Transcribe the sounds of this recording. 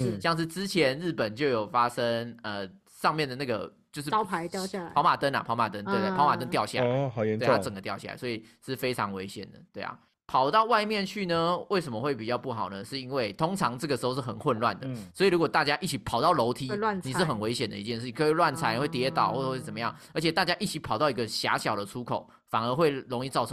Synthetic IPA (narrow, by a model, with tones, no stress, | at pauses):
ɕjɑ˥˧ŋʂ̬ɻ̩˥˧ʈ͡ʂɻ̩˦t͡ɕʰjɛ˨˧˥nɻ̩˥˩pə˨˩nt͡ɕjo˥˩ʊjo˨˩ʊfa˦˥ʂə˦˥ŋə˨˩ | ʂɑ˥˧ŋmjɛ˥˩nd̪ə˩na˥˩ɡə̰˩t͡ɕjo˥˧ʊʂ̬̩˥˩˥pʰa˧˦jʊa˥˨pʰɑ˧˥ʊma˨˩t̪ə˦na̰˨˩pʰɑ˧ʊma˨˩t̪ə˦ne˥˧t̪e˥˧˩pʰʊma˨˩t̪ə˦ŋnt̪jɑ˥˧ʊɕja˥˨˩a̰˨˦˨ɛ˧wa˥t͡sə˨˩ŋɡə˩t̪jɑ˥˧ʊɕa̰˥˩a̰˨˩swo˧˥i˨˩ʂɻ̩˥˩fe˥ɪɑ̰˧˦ŋwe˧˦ɪɕjɛ̰˨˩nd̪ə̰˩t̪we˥˩ɪa̰˨˩ | pʰɑ˨˩ʊt̪ɑ˥˧ʊwa˥˧ɪmjɛ˥˨nt͡ɕʰy˥˩nə˦we˥˩ɪs̬ə˨˩mə˨xwe˥˩ɪpi˨˩t͡ɕjɑ˥˧ʊpu˥˩xɑ˨˩ʊnə˦ʂɻ̩˥˩i˦˥nwe˥˩ɪt̪ʰo˥ŋt͡sʰɑ˧˥ŋʈ͡ʂɤ˥˩ɡə˩ʂɻ̩˧˥o˧ʂɻ̩˥˩xə˨˩nxwə˥˧nlwa̰˥˩nd̪ə˩swɔ˧˥i˨˩lu˧˥kwɔ˨˩t̪a˥˩t͡ɕja˦ʔi˥˩t͡ɕʰi˨˦pʰɑ˨˩ʊt̪ɑ˥˩ʊlo˧˥ʊt̪ʰi˦˥wa˥˨nni˨˩ʂ̩˥˩xə˨˩nwe˧˥ɪɕjɛ˨˩nd̪ə̰˩i˧˥t͡ɕjɛ˥˧nʂ̩˥˩t͡ɕkʰə˧˥˧lwa˥˨nt͡sʰa˧˥ɪn˨˧wt̪jɛ˧˥t̪ɑ̰˨˩ʊxwɔ˥˩ə˨˩xwe˥˩t͡sə˨˩mə˦jɑ̰˥˩ŋ | ə˧˥t͡ɕʰɛ˨˩t̪a˥˩t͡ɕja˦˥ʔi˥˩t͡ɕʰi˨˥pʰɑ˨˩ʊt̪ɑ˥˩ʊi˦ɡə˧ɕja̰˧˥ɕjɑ˨˩d̪ə˦t͡sʰu˥kʰo˨˩ʊ | fa˨˩nə˧˥xwe˥˩ɪɻo˧˥ŋi˥˧t͡sɑ˥˩ʊ˦